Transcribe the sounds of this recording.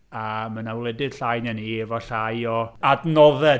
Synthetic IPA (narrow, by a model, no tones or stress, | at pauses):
amənawlˠɛdɪd̥ɬajnjanievɔɬajɔadnɔðɛ